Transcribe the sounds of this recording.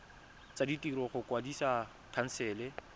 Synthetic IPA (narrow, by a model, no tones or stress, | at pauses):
t͡saditʼirɔχʊkʼwadisa | kʰan̩sɛːlɛ